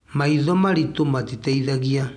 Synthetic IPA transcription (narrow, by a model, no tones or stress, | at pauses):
maiðɔmaɾitomatitaiðaɣia